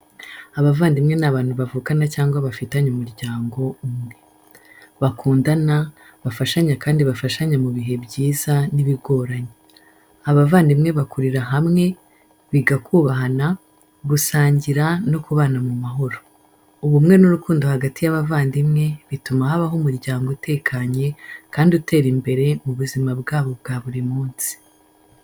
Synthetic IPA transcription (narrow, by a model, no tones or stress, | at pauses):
aβavaːndimŋe̞naβaːn̥huβavuːkanacaːŋɡwaβafitaɲomuɾɟaːŋɡo̞umŋe̞ | βakʰuːndana | βafaʃaɲakaːndiβafaʃaɲamuβiɦe̞bɟiːzaniβiɡo̞ːɾaɲe | aβavaːndimŋe̞βakuɾiɾaɦamŋe̞ | βiɡakʰuːβaɦana | ɡusaːɲɟiɾano̞kuβaːnamumaɦo̞ɾo̞ | uβumŋe̞nuɾukuːndohaɡatijaβavaːndimŋe̞βitumahaβaɦomuɾɟaːŋɡote̞ːkʰaɲe̞kaːndiute̞ːɾimbe̞ɾe̞muβuzimabɡaːβo̞bɡaːβuɾimuːnsi̥